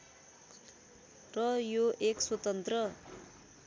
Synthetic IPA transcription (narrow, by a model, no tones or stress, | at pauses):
rʌjoʔekswʌt̪ʌnt̪rʌ